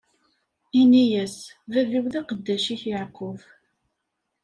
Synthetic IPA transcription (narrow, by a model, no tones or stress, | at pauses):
inijæs | væviwðæqəd̪ːæʃiçaʕqːʊv